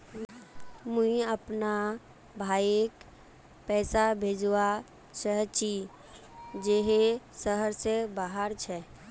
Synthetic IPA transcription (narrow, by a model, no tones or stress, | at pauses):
muiəpna | bʱaːek | pɛːsabʱed͡ʒwa | səɦt͡ʃi | d͡ʒeɦesəɦəɾsebaːɦəɾt͡ʃʰɛ